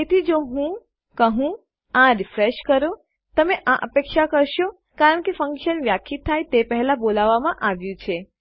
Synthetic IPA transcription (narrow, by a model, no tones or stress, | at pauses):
et̪ʰid͡ʒoɦũ | kəɦũ | ãɾifɾeʃkəɾo | t̪əmeʔãʔəpekʃakəɾʃo | kaɾəɳkefəŋkʃənʋjakʰit̪ʰːajt̪epəɦɛlabolaʋːamãʔaʋjũt͡ʃʰe